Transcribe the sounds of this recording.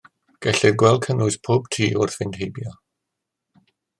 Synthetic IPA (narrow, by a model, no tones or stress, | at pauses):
ɡ̥ɛɬɪðɡwɛlˠkʰənʊspʰoːb̚tʰḭːʔʊrθvɪnd̥hejbjɔ